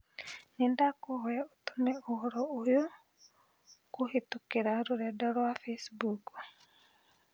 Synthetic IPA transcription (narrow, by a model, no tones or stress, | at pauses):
nindakohɔjaotunɛohɔɾɔojo | kuhetukeɾaɾuɾɛdɔɾwafesbuk